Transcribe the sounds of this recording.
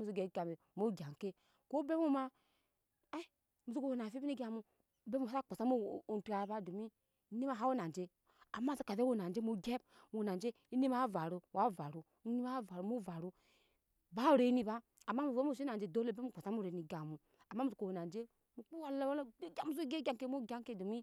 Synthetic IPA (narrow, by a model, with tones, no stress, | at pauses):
mu˨su˦˨ɡe˨˦ɡa˨me˨mo˦ɡʲa˨ŋ˨ke˦ | ko˦be˦mu˦ma˦ | e˦ | mu˨su˦ko˦˨wo˨na˨fi˦bi˦ni˦ɡa˨mu˨ | be˦mu˨˦a˦˨k͡po˨sa˦mu˦˨n˨tu˦a˨ba˦do˨mi˦ | ni˦ma˦˨ɦa˦wo˦na˨n˨d͡ʒe˨ | a˨ma˦˨so˨˦ka˨ðe˦wo˦˨na˨nd͡ʒe˦mo˨ɡe˦b̚ | mu˨na˨nd͡ʒe˦ | i˦ni˦ma˦va˨ɾu˨wa˨˦˨va˨ɾu˨˦ni˦ma˦va˨ɾu˨mu˦˨va˨ɾu˦ | ba˦˨ɾe˨˦ni˨baː˦˨ | mːa˦mu˨e˦m˦u˦˨si˦a˨nd͡ʒe˨do˦lo˦be˦u˦˨k͡po˨sa˦mu˦˨ɾe˨˦ni˨ɡa˨mu˨ | a˨mːa˦mu˨su˨ko˨wo˨na˨nd͡ʒe˦ | mu˨k͡pu˦wa˦la˦wo˦le˦ɡʲa˨mu˦u˦ɡe˦ɡʲa˨ŋke˦mu˦ɡa˦ŋke˦do˨mi˦